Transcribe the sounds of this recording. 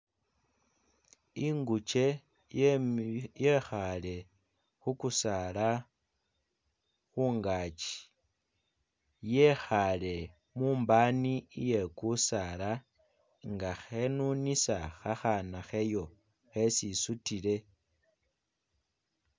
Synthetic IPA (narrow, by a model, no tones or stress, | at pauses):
iŋɡut͡ʃe̞ | j | jexale̞ | xukusala | xuːŋɡat͡ʃi̥ | je̞xale̞ | muːmbaniije̞kusala | ŋɡaxe̞nunisaxaxanaxe̞jo̞ | xe̞sisutile̞